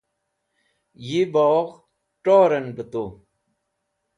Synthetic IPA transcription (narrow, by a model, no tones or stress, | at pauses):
jibɔːɣ | ʈoːɾɐnbət̪oː